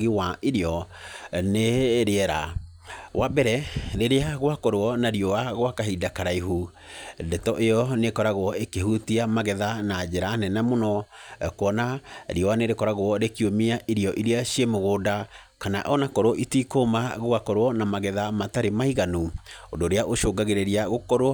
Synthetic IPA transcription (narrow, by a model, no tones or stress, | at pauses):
ɣiwaʔiɾeɔ | neɾeɛɾa̰ | wʔabɛɾɛɾeɾeaɣwakoɾoɔnaɾiɔwaɣowakaɦidakaɾaiɦu | dɛtɔʔejɔnekɔɾaɣwɔekeɦutiamaɣɛðanad͡ʑeɾanɛnamonɔkowɔnaɾiɔwaneɾekɔɾaɣoɔɾekiomiaʔiɾiɔʔiɾeaɕiemoɣoːda | kanaʔɔnakɔɾoɔʔitikomaɣoakɔɾoɔnamaɣɛðamataɾemaiɣanuodoɾeaʔoʃoːɡaɣeɾeɾiaɣokɔɾwɔ